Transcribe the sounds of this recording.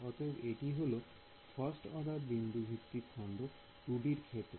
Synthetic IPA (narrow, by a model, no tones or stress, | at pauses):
ɔt̪ebeʈiɦolo | pʰʌsʈɔɖ̪aɾbind̪ʱubʱit̪ːiɾkʰɔɳɖo | ɾuɖiɾkʰeʈ